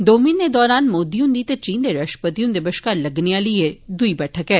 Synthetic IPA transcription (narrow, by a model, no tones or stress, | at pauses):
d̪oːminːed̪ɔːɾaːnmoːd̪ijũnd̪iːt̪et͡ʃiːnd̪eɾɐʃʈə̥pət̪ijũnd̪ɪbəʃkaɾlɐɡnejalied̪uibɛːʈʰəkɦɛː